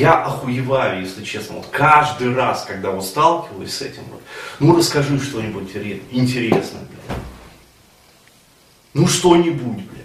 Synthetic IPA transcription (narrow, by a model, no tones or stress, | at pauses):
jaʔɐxʊjɪvajʊjesʲlʲɪt͡ɕe̞snə̰vo̰t̪kaʐd̪ɨjraskɐɡ̚d̪avo̞t̪st̪alˠkʲɪvəlˠəsʲsɛ̰tʲɪmvo̰t̪nurəskɐʐɨʂt̪o̞nʲɪbutʲtʲɪɾʲɪnʲtʲɪɾʲesnə̰b̪lʲ | nuʂt̪o̞nʲɪbutʲblʲ